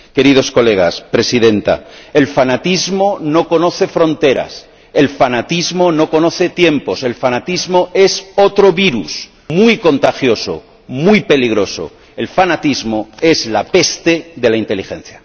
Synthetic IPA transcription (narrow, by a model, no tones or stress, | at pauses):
ke̞ɾið̞o̞sko̞le̞ɣ̞aspɾe̞siðe̞nt̪a̰elfanat̪izmo̞no̞ko̞no̞θe̞fɾo̞nt̪e̞ɾa̰s | e̞lfanat̪izmo̞no̞ko̞no̞θe̞t̪je̞mpo̞se̞lfanat̪izmo̞e̞so̞t̪ɾo̞βiɾṵs | mujko̞nt̪axjo̞so̞̰ | mujpe̞liɣɾo̞so̰ | e̞lfanat̪izmo̞e̞zlape̞st̪e̞ðe̞laint̪e̞lixẽ̞̰n̟θja